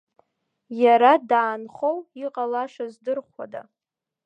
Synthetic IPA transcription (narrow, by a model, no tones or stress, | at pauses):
jaɾadaːnχowiqʼalaʂazdɨrχʷa̰da̰